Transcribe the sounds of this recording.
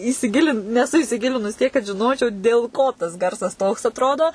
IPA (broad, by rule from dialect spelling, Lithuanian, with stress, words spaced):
iːsʲɪˈɡʲɪlʲɪnt nʲɛˈsʊ iːsʲɪˈɡʲɪlʲɪnʊs tʲiɛk kɐt ʒʲɪˈnoːt͡ʃʲɛʊ dʲeːlˠ ˈkoː tɐs ˈɡɐrsɐs toːks ɐtˈroːdoː